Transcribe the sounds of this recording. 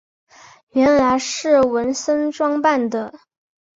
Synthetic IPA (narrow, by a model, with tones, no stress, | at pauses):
ɥɛ˧˥nla˧˥ɪʂɻ̩˥˩wə˧˥nsə˥nʈ͡ʂwɑ˥ŋpa˥˩nd̪ə˩